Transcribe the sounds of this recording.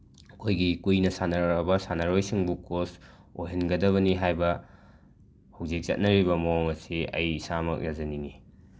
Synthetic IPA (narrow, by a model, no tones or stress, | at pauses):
ɐkʰojɡikujnɐsanɐɾɾabɐsanɐɾojsiŋbukos | ojɦinɡɐdɐβɐniɦajbɐ | hawzik̚t͡ʃɐ̰t̚nɐɾibɐmooŋɐsiɐ̰jisamɐ̰k̚jazɐnini